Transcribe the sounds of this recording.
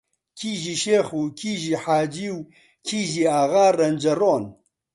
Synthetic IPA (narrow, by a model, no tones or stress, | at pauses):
kʰiʒiʃeːxuːkʰiːʒiħaːd͡ʒiːw | kʰiːʒiaɣaːrɐnd͡ʒɐroːn